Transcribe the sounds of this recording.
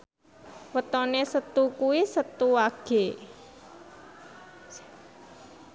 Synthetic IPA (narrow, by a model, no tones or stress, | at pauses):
wət̪ɔnesət̪ukuwisət̪uaɡ̥e